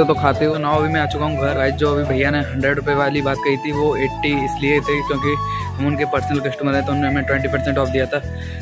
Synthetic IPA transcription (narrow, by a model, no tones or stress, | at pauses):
ot̪okʰaːt̪eɦonaːɐbʱimɛ̃aːt͡ʃʊkaːɦũɡɡʱɐɾaːd͡ʒoːɐbʱibʱɐijaneɦɐ̃ɳɖɾeɖɾʊpeʋaːlibaːt̪̚kɐit̪ʰiʋoeːʈːiɪsliet̪ʰekjõːki | ɦɐmʊnkepɐɾsnəlkɐʃʈmɐɾẽt̪oʊnːnẽɦɐmẽʈʋɛ̃ɳʈipɐɾsɛ̃ɳʈɔːfd̪ijat̪ʰaː